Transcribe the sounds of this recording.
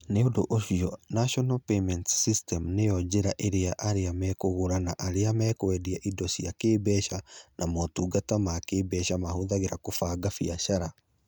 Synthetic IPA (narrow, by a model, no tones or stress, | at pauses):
neodoʔoʃiɔnaʃɔnapemɛntsistɛmnejɔd͡ʒeɾaʔeɾeaʔaɾeamɛkoɣoɾanaʔaɾeamɛkwɛdiaʔidɔsiakeːbɛʃanʔamɔtuːɡatamakeːbɛːʃamahoðaɣeɾakofaɡafiaʃaɾa